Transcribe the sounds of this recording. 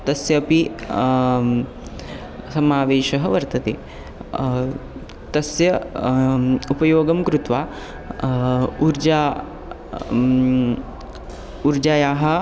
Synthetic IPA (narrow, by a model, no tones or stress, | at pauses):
t̪ɐsjɐːpi | sɐmaːʋeːʃɐɦɐʋɐɾt̪ɐt̪ḛː | t̪ɐsjɐ | upɐjoːɡɐmkɾut̪ʋaː | uɾd͡ʒaː | uɾd͡ʒaːjaːɦɐ̆